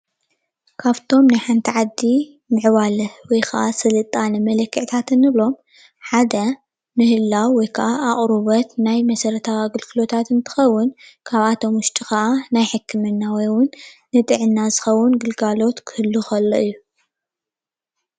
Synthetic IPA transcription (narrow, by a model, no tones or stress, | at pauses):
kʰaβt̪ʰo̞mnajħant̪ʰiʕad̪ːi | nɨʕwalɐwɔjkʰɐ̰ʔasɐlɨt̪ʼanɨmɐlɐkʰːɨʕt̪ʰat̪ʰɨnːɨβlo̞m | ħad̪ɐ | nɨhɨlːawːɔjkʰɐʔaʔaʔʼɾuβɐt̪najmɐsɐɾɐt̪ʰaaɡɨlkʰɨlo̞t̪ʰat̪ɨnt̪ʰɨ̥xɐwːʊnkʰaβʔat̪ʰo̞mwʊʃt̪ʼixɐʔanajħɨkʰːɨmɨnːawɔjwʊnː | ɨt̪ʼɨʕɨnːazɨxɐwːʊnɡɨlɡalo̞t̪kʰɨhɨlːuxɐlːoʔɨjːu